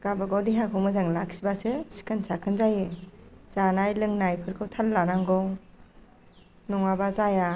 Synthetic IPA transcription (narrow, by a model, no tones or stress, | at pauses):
ɡ̥abɯɡɔwdiɦakʰɔwmɯzaŋlak̚sibasɯsi̥kʰansakʰɯnzajɯz̥anajlɯŋnajpʰɯɾkʰɯwtʰallanaŋɡɔw | nɔŋabazaja